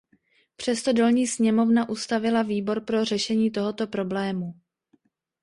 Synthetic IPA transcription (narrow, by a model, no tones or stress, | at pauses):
pr̝̥ɛst̪o̞dolɲiːsɲɛmo̞vnaʔust̪avɪlaviːbo̞ɾpɾo̞r̝ɛʃɛɲiːt̪o̞ɦo̞t̪o̞pɾo̞blɛːmu